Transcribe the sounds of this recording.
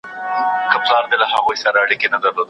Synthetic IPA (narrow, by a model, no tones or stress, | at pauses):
kaplɑɾd̪elahaɣujsaɾaːɽikenad̪aɾlod̪